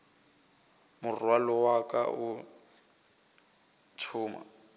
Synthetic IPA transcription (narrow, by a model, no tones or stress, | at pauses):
mʊrwalɔwakʼa̰ʊ | t͡ʃʰʊːma̰